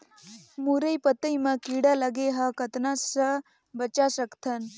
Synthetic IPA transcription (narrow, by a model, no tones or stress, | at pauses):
muɾɐjpɐt̪ɐjmɐkiːɽɐlɐɡeɦɐkɐt̪nasɐ | bɐt͡ʃasɐkt̪ʰɐn